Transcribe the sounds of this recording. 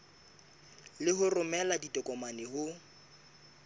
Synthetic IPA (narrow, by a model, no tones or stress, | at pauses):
lɪɦʊrʊmɛladitʼɔkʼɔmanɪhʊ